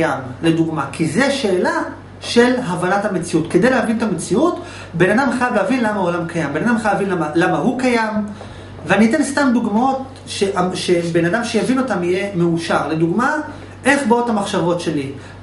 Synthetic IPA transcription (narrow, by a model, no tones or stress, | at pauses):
amle̞duɡmakʰizeʃeːla | ʃe̞lɦavanathame̞t͡siutke̞d̪e̞jlehavint̪amet͡siut | be̞nadamχajavleavinlamaolamkʰajambe̞nadamχajavinlamalamaɦukajam | veanit̪̬e̞nst̪amd̪uɡmao̞t | ʃeʔaʃe̞be̞nadamʃe̞javino̞tamije̞meuʃaʁle̞duɡma | ʔe̞χbothamaχʃavo̞tʃe̞li